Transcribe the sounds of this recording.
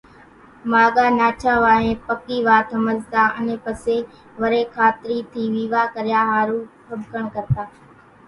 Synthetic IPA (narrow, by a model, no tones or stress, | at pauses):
maːɠaːnaːt͡ʃʰaːʋaːɦẽːpəkiːʋaːt̪ʰəməzt̪aːʔənẽːpəseː | ʋəɾeːkʰaːt̪ɾiːt̪ʰiːʋiːʋaːkəɾjaːɦaːɾũːpʰəbkəɳkəɾt̪aː